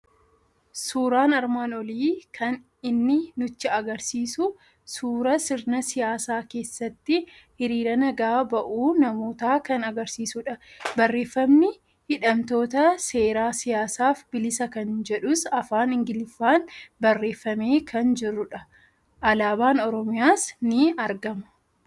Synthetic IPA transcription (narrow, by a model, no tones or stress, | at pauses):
suːɾaːnɐɾmaːnɔliːkʰɐn | ɪnːɪnʊt͡ʃːɪɐɡɐɾsiːsʊ | suːɾɐsɪɾnɐsɪjaːsaːke̞ːsːɐt̪ːɪ | hɪɾiːɾɐnɐɡaːbɐʔuːnɐmo̞ːt̪aːkɐnɐɡɐɾsiːsʊᶑɐbɐrːe̞ːfːɐmnɪ | hɪᶑɐmt̪o̞ːt̪ɐse̞ːɾaːsɪjaːsaːfbɪlɪsɐkɐnd͡ʒɛᶑʊsɐfaːnɪŋɡɪlɪfːaːnbɐrːe̞ːfːɐme̞ːkʰɐnd͡ʒɪrːʊᶑɐ | ʔɐlaːbaːnɔɾɔmɪjaːsnɪɐɾɡɐmɐ̥